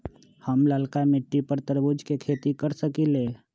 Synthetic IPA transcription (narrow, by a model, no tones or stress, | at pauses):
həmlaːlkamɪʈːipəɾt̪əɾbud͡ʒkekʰeːt̪ikəɾsəkileː